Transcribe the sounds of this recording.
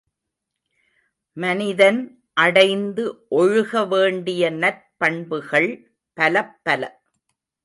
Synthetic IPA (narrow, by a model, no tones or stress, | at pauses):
mɐnɪðɐn | ʔɐɽɐɪnd̪ɯʔɔɻʊɣɐʋeːɳɖɪjɐnɐɾ | pɐɳbɯɣɐɭ | pɐlɐpːɐlɐ̰